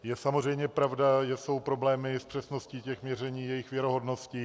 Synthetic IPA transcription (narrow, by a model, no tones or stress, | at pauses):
jɛsamor̝ɛjmɲɛpɾavdaʒɛso̞wpɾoblɛːmɪspr̝̥ɛsnosciːcɛxmɲɛrɛɲiːjɛjɪxvjɛɾoɦo̞dno̞sci